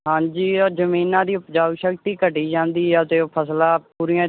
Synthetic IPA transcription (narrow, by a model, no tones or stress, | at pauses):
ɦãːɲd͡ʒiːɔːzəmiːnãːd̪iːpd͡ʒaːʊʃəkt̪iːkəʈiːd͡ʒãːnd̪iːət̪eːoːpʰəslaːpuːɾiːãː